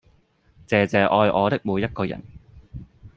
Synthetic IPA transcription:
t͡sɛː˨˧t͡sɛː˨ʔɔː˧jʔɔː˨˧t̪ɪ˥k̚muː˨˧jːɐ˥t̚kɔː˧jɐ̰˨˩n

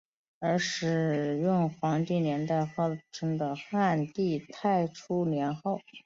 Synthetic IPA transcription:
ə˞˧˥ʂɻ̩˨˩jʊ˥˩ŋxwɑ˧˥ŋt̪i˥˩njɛ˧˥nt̪a˥˧ɪxɤ˥˧˩ʈ͡ʂʰɤ˧˥ŋd̪ə˧xa˥˧nt̪i˥˧t̪ʰa˥˩ɪʈ͡ʂʰu˥njɛ˧˥nxo˥˩ʊ

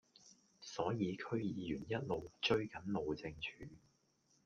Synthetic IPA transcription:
sɔː˨˥jiː˨˧kʰɵ˥ɥjiː˨˧jyː˨˩njɐ˥t̚lo˨wt͡ʃɵ˥ɥkɐ˨˥nlo˨wt͡sɪ˧ŋt͡ʃʰyː˨˦

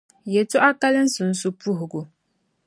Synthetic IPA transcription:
jɛ˨tʊ˦ʔa˦ka˦lɨ˦n̩˦sʊ˨n̩˦su˦pu˦ɦʊ˨ɡʊ˨

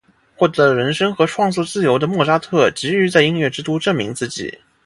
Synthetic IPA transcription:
xwɔ˥˩t̪ɤ˧˥lə˧ɻə˧˥nʂɤ˥ŋxɤ˧˥ʈ͡ʂʰwɑ˥˧ŋt͡sɔ˥˧t͡sɹ̩˥˩jo˧˥ʊd̪ə˧mwɔ˥˩ʂa˥t̪ʰɤ˥˩t͡ɕi˧˥y˧˥t͡sa˥˧ɪi˥nɥɛ˥˩ʈ͡ʂɻ̩˥t̪u˥ʈ͡ʂɤ˥˩ŋmḭ˧˥ŋt͡sɹ̩˥˩t͡ɕḭ˥˩˦

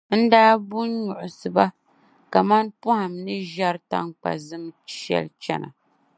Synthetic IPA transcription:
n̩˦daː˦bu˦nɲʊ˨ʔʊ˨sɨ˨ba˦ | ka˨ma˦npʊ˦ha˨mnɨ˦ʒa˦ɾta̰˦ŋk͡pa̰˨zɨ˦mʃɛ̰˦lt͡ʃɛ˦na̰˨

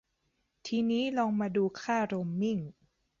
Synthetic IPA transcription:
t̪ʰiː˧niː˦˥lɔː˧ŋmaː˧duː˧kʰaː˥˩ɾo˧mːi˥˩ŋ

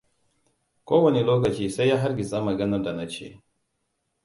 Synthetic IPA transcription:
koː˦wɐ˨ni˨loː˦k̬ɐ˨t͡ʃiː˦sa˦jja˦ɦa˦ɾɡʲi˨sa˦mɐ˨ɡɐ˦nɐ˦da˨na˨t͡ʃḛː˦˨

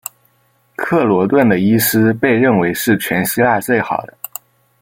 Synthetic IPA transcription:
kʰɤ˥˩lwɔ˧˥t̪wə˥˩nd̪ə˩i˥sɹ̩˥pe˥˧ɪɻə˥˩nwe˧˥ɪʂɻ̩˥˩t͡ɕʰɥɛ˧˥nɕi˥la˥˧t͡swe˥˩ɪxɑ̰˨˩ʊd̪ə˦

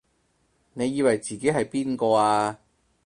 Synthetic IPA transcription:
ne˨˧jiː˧wɐ˨jt͡siː˨ke˨˥jɦɐ˨jpiː˥nkɔː˧aː˧

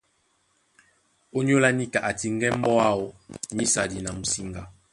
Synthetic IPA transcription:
o˦ɲ˦o˦la˦ni˦ka˨ʔa˨ti˦ŋ˦ɡɛ˦m̩˦bɔ˦a˦o˨ni˦sa˨di˨na˨m̩˨si˨ŋɡa˨

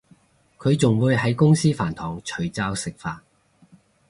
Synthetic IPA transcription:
kʰɵ˨˧ɥt͡sʊ˨ŋwuː˨˧jɦɐ˨˥jkʊ˥ŋsiː˥fa̰ː˨˩nt̪ʰɔː˨˩ŋt͡ʃʰɵ˨˩ɥt͡saː˧wsɪ˨k̚faː˧t̚

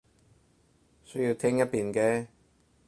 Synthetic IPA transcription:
sɵ˥ɥjiː˧wt̪ʰɛː˥ŋjɐ˥t̚piː˨nkɛː˧

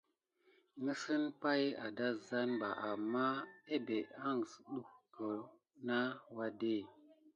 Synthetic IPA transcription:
ŋə˦sɨ˦npa˦ja̰˨da˦za˦nba˨ʔa˨mːa˦e˦be˨a˦˨ŋ˨sɗu˦hkə˨ | na˦wa˦de˦˨

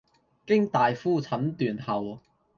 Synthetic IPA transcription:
kɪ˥ŋt̪aː˨jfuː˥˩t͡sʰɐ˨˥mt̪yː˨nhɐ˨w

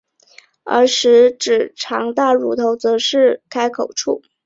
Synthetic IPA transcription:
ə̰˞˧˥ʂɻ̩˧˥ʈ͡ʂɻ̩˨˩ʈ͡ʂʰɑ˧˥ŋt̪a˥˩ɻu˨˥t̪ʰo˧˥ʊt͡sɤ˧˥ʂɻ̩˥˩kʰa˥ɪkʰo˨˩ʊʈ͡ʂʰu˥˩

